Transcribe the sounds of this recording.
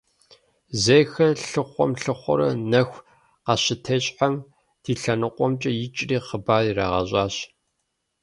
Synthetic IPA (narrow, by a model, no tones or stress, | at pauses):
zejxɐɬɨχʷɔ̰mɬɨχʷɔ̰ɾɐnɐxʷ | qɑɕɪtʰɐɕʼħam | d̥iːɬɐnɨqʷʼɔmt͡ʃʼɐjɪt͡ʃʼriːχəbaːrira̰ʁɐ̰ɕʼɑːɕ